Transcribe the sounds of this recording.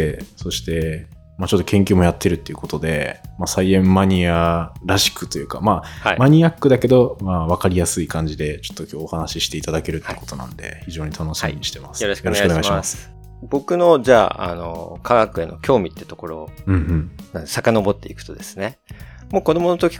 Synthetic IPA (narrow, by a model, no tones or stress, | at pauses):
eso̞ɕi̥t̪e̞ | mat͡ɕo̞t̪ːo̞kẽŋkʲɨːmo̞jat̪ʰːe̞ɾɯ̟t̪ːeiɯ̟ko̞t̪o̞d̪e̞masaiẽ̞mːaɲ̟iaɾaɕi̥kɯ̟t̪o̞jɯ̟ːkamaamaɲ̟iakːɯ̟d̪ake̞d̪o̞maβ̞akaɾʲijasɨikãɲ̟d͡ʑid̪e̞t͡ɕo̞̥t̪ːo̞kʲoːhanaɕiɕi̥t̪e̞it̪ad̪ake̞ɾɯ̟t̪ːeːko̞t̪o̞nã̰nd̪e̞̰çiʑo̞ːɲ̟it̪ʰano̞ɕimiɲ̟iɕi̥t̪e̞masɨ̥joɾɕkjoɾekɡaɯoneaiɕimas | bo̞kɯ̟no̞d͡ʑaːa̰no̰kʰaɡakɯ̟ḛno̞kʲo̞ːmʲit̪ːeɯ̟t̪o̞ko̞ɾo̞ːɯ̟̃ɴɯ̟̃ɴnãnd̪sakano̞bo̞t̪ːe̞ikɯ̟̥t̪od̪esɨ̥ne̞ | moːko̞d̪o̞mo̞not̪okʲi̥